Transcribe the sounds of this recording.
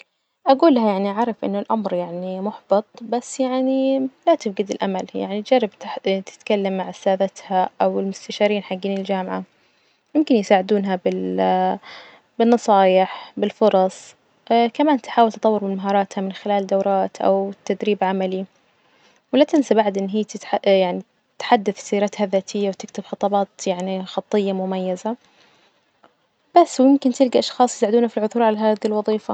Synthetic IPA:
ʔaɡuːlːahajaʕniʔʕaʕɾˤɑfʔɪ̰nːʊlʔamɾjaʕnimʊħbɨt̪ˤbasːjaʕnilat̪ɪfɡɪd̪ɪlʔa̰malja̰ʕnid͡ʒarːɪb̪̚t̪ɪ̥t̪kalːamːaʕsaːðat̪haʔawɪlmʊst̪aʃɑːɾiːnħaɡːiːnɪld͡ʒaːmʕa | jʊmkɪnjsaːʕɪd̪uːnɦabɪl | bɪnːɑsˤɑːjɪħbɪlfʊɾˤɑsˤ | ʔkamaːnt̪ħaːwɪlt̪ɑt̪ˤɑwːɨɾmɪnmaɦɑːɾˤɑːt̪hamɪnxɪlaːld̪awɾˤɑːt̪ʔa̰wt̪ːad̪ɾiːbʕamali | wɪlat̪ɪnsabaʕd̪ʔɪnːɦiːt̪ɪjaʕni | t̪ħad̪ːaθsiːɾat̪haðaːt̪ʰɪjːawt̪ɪkt̪ɪbxɑt̪ˤɑbɑːt̪jaʕnixɑt̪ˤːɨjːamʊmajːaza | b̥asːwmɪmkɪnt̪ɪlɡaʔɑʃxɑːsˤjsaːʕɪd̪uːnhafilʕʊθuːɾˤʕalaɦaːðilwɑðˤiːfa

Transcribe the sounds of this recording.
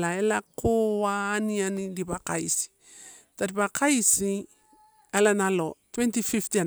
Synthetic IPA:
laelakoaːnianilibaka̰jsi̥ | taɾipakʰajsi | alanalotwentififti

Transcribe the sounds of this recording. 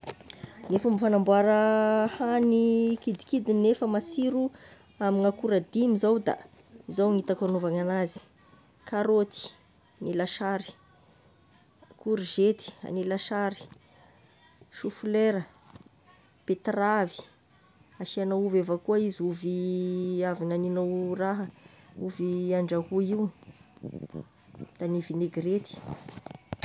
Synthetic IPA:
nefumifanambwaɾəhanikid̪ikid̪inefəmasiɾu | amiŋakuɾad̪imizawd̪a̰ | izawŋit̪akanovaŋanazi̥ | kaɾot̪i̥ | nilaʃaɾi̥ | kuɾʒet̪i̥a̰nilaʃaɾi̥ | ʃufleɾə | pet̪ravi̥ | aʃianauvevakuaiziuvi | avinaninowraɦə | uviaɳɖ͡ʐahuiw | d̪̥anivineɡɾet̪i̥

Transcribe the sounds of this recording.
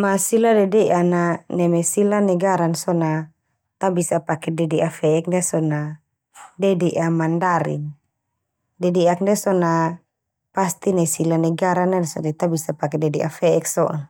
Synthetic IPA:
masiladɛdɛʔananɛmɛsilanɛɡaɾansɔna | t̪abisapakɛdɛdɛʔafɛɛk̚ndɛsɔna | dɛdɛʔamandaɾḭn | dɛdɛak̚ndɛsɔna | past̪inasilanɛɡaɾanadɛsa̰dɛt̪abisapakɛdɛdɛʔafɛɛksɔʔa

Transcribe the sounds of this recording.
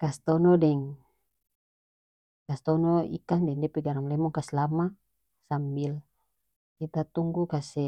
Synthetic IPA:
kast̪ɔnɔdɛŋ | kast̪ɔnɔḭkandɛŋdɛpɛɡaɾamlɛmɔŋkaslama | sambil | kit̪at̪uŋɡukasɛ

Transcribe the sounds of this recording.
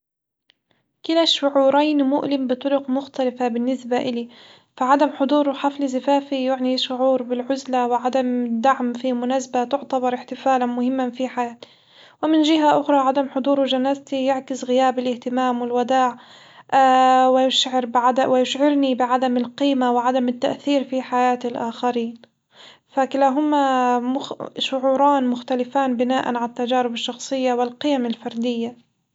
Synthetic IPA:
kɪlaʃʊʕuːɾaːnmʊʔlɪmbɨt̪ˤʊɾʊqmʊxt̪alafabɪnːɪsbaʔɪli | faʕad̪amħʊd̪ˤuːɾħaflzafaːfijʊʕniʃʊʕuːɾbɪlʕʊzlawɪʕad̪amɪd̪ːaʕmfimʊnasbat̪ʊʕt̪abɑɾˤɪħt̪ɪfaːlanmʊhɪmːanfiħajaːt̪ | wɪmɪnʒɪɦaʔʊxɾˤɑʕad̪amħʊd̪ˤuːɾuʒanaːzt̪ijaʕkɪsɣɪjaːbɪlɪht̪ɪmaːmwɪlwad̪aːʕ | wɪjʊʃʕɪɾbɪʕad̪awɪjʊʃʕɪɾnibɪʕad̪amɪlqiːmawɪʕad̪amɪt̪ːaʔθiːɾfiħajaːt̪ilʔaːxaɾiːn | fakɪlaːɦʊmamʊxʃʊʕuːɾˤɑːnmʊxt̪alɪfaːnbɪnaːʔa̰nʕalat̪ːad͡ʒaːɾɪbɪʃːɑxsˤɨjːawɪlqɪjamalfɑɾˤd̪ɪjːa

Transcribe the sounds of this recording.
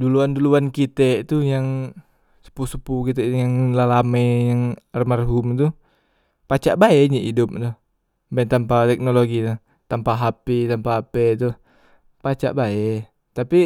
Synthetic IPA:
duluanduluankit̪eʔt̪ujaŋ | sə̥pusəpukit̪ɛʔjaŋlalamejaŋrmarɦʊmt̪u | pat͡ʃaʔbaɛʔɲiʔidʊp̚t̪uh | bant̪ampat̪ɛk̚noloɡit̪u | t̪ampaɦapit̪ampaapet̪u | pat͡ʃa̰ʔbaɛ | t̪api

